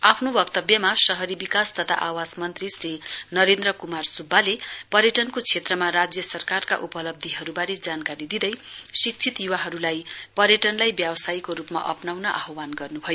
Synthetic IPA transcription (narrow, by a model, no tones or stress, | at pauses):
apʰnobʌkt̪ʌbjʌmasʌɦʌɾibikast̪ʌt̪ʰa̰ʔawasmʌnt̪risrinʌɾend̪rʌkumarsubʱːalepʌɾjʌʈʌnkot͡sʰet̪rʌmaɾad͡zjʌsʌrkarka̰ʔupʌlʌb̚d̪ʱiɦʌɾubaɾed͡zankaɾid̪id̪ʌjsik̚t͡sʰit̪juwaɦʌɾulajpʌɾjʌʈʌnlajbjabʌsajkoɾupma̰ʔʌ̰pnawnʌʔa̰ɦwanɡʌrnubʱʌjo